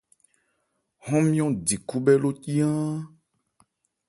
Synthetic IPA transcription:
ɦɔ̃˦mĩ˦ɔ̃˦ɖi˨ku˦bɛ˦lo˦ci˦ã˦

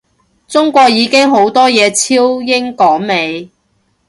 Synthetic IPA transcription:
t͡sʊ˥ŋkʷɔː˧k̚jiː˨˧kɪ˥ŋɦo˨˥wt̪ɔː˥jɛː˨˧t͡sʰiː˥wjɪ˥ŋkɔː˨˥ŋme˨˧j

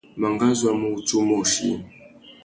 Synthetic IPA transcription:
ma˨ŋɡa˦zwa˦mu˦˨u˨tu˦mɔ˦˨ʃḭ˦˨

